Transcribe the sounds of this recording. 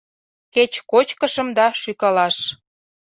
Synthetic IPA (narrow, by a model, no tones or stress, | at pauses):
ket͡ɕkot͡ɕkəʃə̆md̪ɑʃykɑlɑʃ